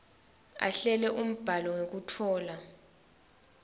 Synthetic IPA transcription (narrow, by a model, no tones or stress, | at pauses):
a̰ɬɛlɛʔum̩b̥ʱalɔŋek̬utʰɔːla